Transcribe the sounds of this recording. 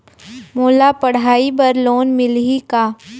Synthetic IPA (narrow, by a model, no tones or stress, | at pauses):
moːlapɐɽ̤aːibɐɾloːnmɪlikaː